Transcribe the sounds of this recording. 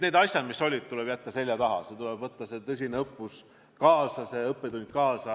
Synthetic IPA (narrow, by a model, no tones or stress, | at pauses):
neːd̪ɑsʲjɑd̪̥misːo̞lʲid̥̪̚t̪ulɛb̥jæt̪ːɑse̞lʲjɑt̪ɑɦɑ̰set̪ulɛb̥vɤt̪ːɑse̞t̪ɤsʲineɤpːus | kɑːsɑse̞ɤpːet̪unʲk̪̚kɑːsɑ